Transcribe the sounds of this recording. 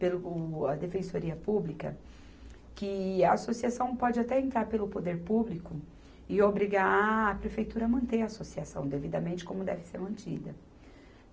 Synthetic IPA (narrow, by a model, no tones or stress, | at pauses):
pelʊɐd̪efẽsoɾiɐpublikɐ̰ | kɪɐasosiasɐ̃w̃pɔd͡ʒɪat̪ɛẽnt̪ɾaɾpelʊpod̪eɾpublikʊ | ɪobɾiɡaɾːpɾefejt̪uɾɐːmɐ̃nt̪eɐaːsosiasɐ̃w̃d̪evid̪ɐmẽnt͡ʃɪ̥kõmʊd̪ɛ̰vɪ̥seɾmɐ̃nt͡ʃid̪ɐ